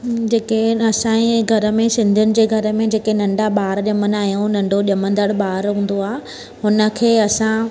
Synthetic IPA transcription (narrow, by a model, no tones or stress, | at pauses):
d͡ʑeːkeɐsãẽɡʱɐɾəmẽsɪ̃nd̪ʱijʊnɪ̆d͡ʑeːɡʱɐɾə̆mẽd͡ʑeːkenɐ̃ɳɖaɓaːɾʄɐmənaːɦijõnɐ̃ɳɖʱoʄɐmə̃nd̪əɽɓaːɾɦũːn̆d̪oaːɦ | ɦʊnə̆kʰeːɐsã